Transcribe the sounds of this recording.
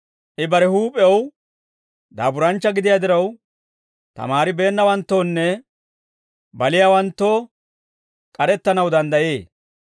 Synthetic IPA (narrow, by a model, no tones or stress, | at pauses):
ʔɪbɐɾɛhuːpʼːɛw | d̪a̰ːbʊɾɐnt͡ʃːɐɡɪd̪ɪjad̪ɪɾɐw | t̪ɐ̰maːɾɪbe̞ːnːɐwɐnt̪ːoːnːɛ | bɐlɪjaːwɐnt̪ːo̞ː | kʼɐɾɛt̪ːɐnɐwd̪ɐnd̪ɐjeː